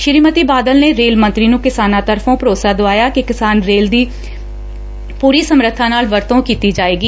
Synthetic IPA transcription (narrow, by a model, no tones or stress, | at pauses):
ʃɪɾiːmət̪iːbaːd̪əlneːɾeːlmə̃nt̪ɾiːnũːkɪsaːnaːt̪əɾfʰõːpəɾoːsaːd̪oaːjaːkɪkɪsaːnɾeːld̪iː | puːɾiːsəmɾət̪ʰːãːnaːlʋəɾt̪õːkiːt̪iːd͡ʒaːeːɡiː